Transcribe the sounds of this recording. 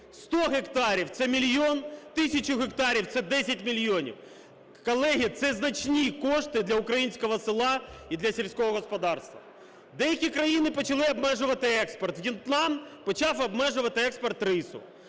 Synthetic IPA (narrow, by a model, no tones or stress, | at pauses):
st̪oɦɛkt̪ɑɾʲiwt̪sɛmʲilʲjont̪ɪsʲɐt͡ʃʊɣɛkt̪aɾʲiwt̪sɛd̪ɛsʲɐtʲmʲilʲjonʲḭw | kɐlˠɛɦʲit̪sɛznɐt͡ʃnʲikoʂt̪ɪd̪lʲɐʊkɾɐjinʲsʲkɔɦɔsɪlˠɑid̪lʲɐsʲɪlʲsʲkoɦɔɣɔspɐd̪ɑrst̪ʋɐ̰ | d̪ɛjɐkʲikɾɐjinɪpɔt͡ʃɐlˠɪɐbmɛʐʊʋɐt̪ɪɛkspɔrt̪wjʲɪnt̪lˠanpɐt͡ʃɑfɐbmɛʐʊʋɐt̪ɪɛkspɔrt̪rɪsʊ̰